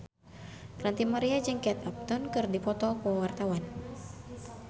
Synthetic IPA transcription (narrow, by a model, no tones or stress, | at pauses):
rant̪imaɾiad͡ʒɨŋkɛt̪ap̚t̪unkɨrdipɔt̪ɔkəwart̪awan